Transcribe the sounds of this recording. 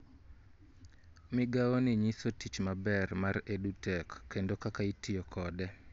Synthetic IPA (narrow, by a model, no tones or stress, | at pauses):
mɪɡawonɪɲisotit͡ʃmabɛrmaredutɛkːendokakaitɪjɔkʰɔdɛ